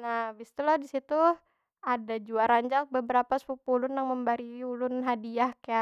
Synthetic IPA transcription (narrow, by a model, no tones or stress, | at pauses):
nahbist̪uladisit̪u | adad͡ʒuaɾaɲd͡ʒak̚bəbəɾapaspupulʊnjaŋməmbaɾiiulʊnɦadiahkaa